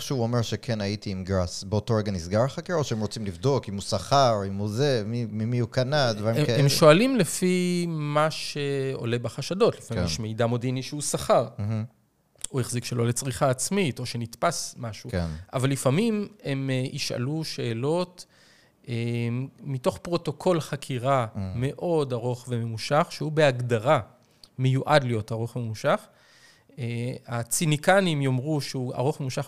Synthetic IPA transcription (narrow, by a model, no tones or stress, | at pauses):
ʃeuomeʁʃekʰenaitiːmɡʁasbeotoʁeɡanisɡaʁχakeʁoʃeemʁo̞t͡simlivd̪o̞kimusaχaʁimuzemimimiukanadvaʁimeemʃo̞alimlefimaʃeo̞̰le̞baχaʃado̞tlifamʃmejdamo̞diniʃeusaχaʁ̩ | uheχzikʃelo̞let͡sʁiχaːt͡smito̞ʃe̞nitpasmaʃuka̰valːifamime̞mʔiʃʔa̰luʃe̞ːlo̞t | eː | ito̞χpʁo̞to̞kʰo̞lχakʰiʁame̞ʔo̞daʁo̞χve̞me̞muʃaχʃehube̞aɡdaʁa | mejuʔadlijo̞taʁo̞χvememuʃaχ | at͡sinikanimjo̞mʁuʃeua̰ʁo̞χmemuʃaχ